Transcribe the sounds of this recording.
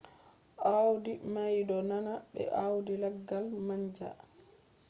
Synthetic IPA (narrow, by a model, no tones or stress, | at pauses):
ʔawdimajdɔnanaɓɛ̰ʔawdilɛɡːalmaɲd͡ʒa̰